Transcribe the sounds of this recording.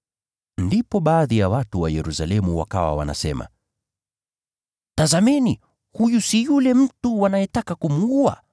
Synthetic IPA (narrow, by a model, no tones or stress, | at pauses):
ndipɔɓaːðijawatuwajɛɾusalɛmuwa̰kawa̰wa̰na̰sɛma̰ | tazamɛni | hujusijulɛm̩tuwanajɛtakakumuua̰